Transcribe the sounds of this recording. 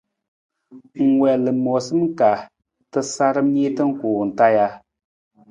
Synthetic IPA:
ŋ̩˨ŋwɛ˨lɨ˨mɔ˨sɨ˦m˦ka˨ | tɨ˦sa˦ɾɨ˦mi˦tɨ˦ŋ̩˦kuː˨n̩˨ta˦ja˦

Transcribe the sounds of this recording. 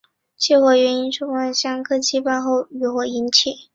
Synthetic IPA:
t͡ɕʰɛ˥˩xwɔ˧˩ɥɛ˧˥ni˥nʂʰʊ˥ŋə˥˩nɕjɑ˥ŋkʰɤ˥t͡ɕʰi˥˧pa˥˧xo˥˩ʊy˨˧˩xwɔ˨˩i˧˥nt͡ɕʰi˥˩

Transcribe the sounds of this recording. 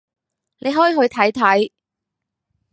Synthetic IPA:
nʔe˨˧jɦɔː˨˥jiː˨˧˥ɦɵ˧ɥt̪ʰɐ˨˥jt̪ʰɐ˨˥j

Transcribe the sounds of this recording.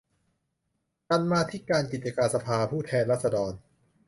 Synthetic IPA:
ka˧nmaː˧t̪ʰi˦˥kaː˧nki˨˩t͡ɕa˧kaː˧nsa˧pʰaː˧pʰuː˥˩t̪ʰɛː˧nɾaː˥˩sa˧dɔː˧n

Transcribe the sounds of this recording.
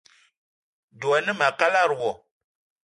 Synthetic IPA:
du˨a˨nɨ˦ma˨ka˦la˦ɾwɔ˨

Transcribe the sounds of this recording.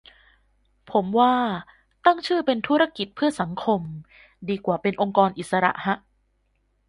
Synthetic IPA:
pʰo˩˦mwaː˥˩ | t̪a˥˩ŋt͡ɕʰɯː˥˩pe˧nt̪ʰu˦˥ɾa˦˥ki˨˩t̪̚pʰɯ˥˩ɐsa˩˦ŋkʰo˧m | diː˧kwaː˨˩pe˧nʔo˧ŋkɔː˧nʔi˨˩t̪̚sa˧ɾa̰˨˩ʔha˦˥ʔ

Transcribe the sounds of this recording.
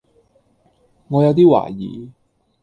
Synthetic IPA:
ŋɔː˨˧jɐ˨˧wt̪̬iː˥wa̰ː˨˩jḭː˨˧

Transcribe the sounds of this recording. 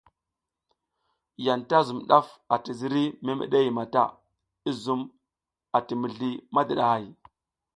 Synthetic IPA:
ja˨nta˦zu˨mɗa˦fa˨ti˨zi˦ɾi˦me˦mə̰˨ɗe˦ji˨ma˨ta̰˦ | i˦zu˨m | a˨ti˨mi˨ɮi˨ma˦di˨ɗa˨ha˨j

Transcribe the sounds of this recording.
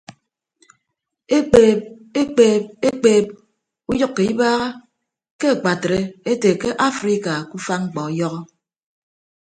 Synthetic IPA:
e˦k͡peː˨p̚ | e˦k͡peː˨p̚e˦k͡peː˦p̚ | u˦jɔ˦kːe˨i˦baː˦ɣa˦ | ke˦a˨k͡pa˨tɾe˦e˦te˨ke˦ʔa˦fɾi˦ka˨ku˦fa˦ŋ͡m̩˦k͡pɔ˨jɔ˦ɣɔ˦

